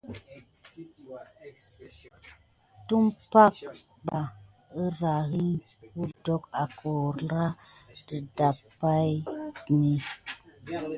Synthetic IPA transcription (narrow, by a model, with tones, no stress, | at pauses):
tu˦mpa˦k̚ | ɡ͡ba˨ | ə˦ɾa˨ɣi˦n | wu˦dɔ˦ka˨ko˨ɾɾa˦tə˨da˨ | a˦jni˨